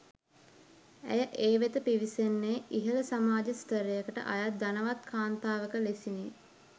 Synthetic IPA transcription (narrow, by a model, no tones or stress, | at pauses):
æ̰jəʔeːʋet̪əpiʋisenːeʔiɦələsamaːd͡ʒəst̪əɾejəkəʈə̰ʔajad̪anəʋat̪kʰaːnt̪aːʋəkəlesini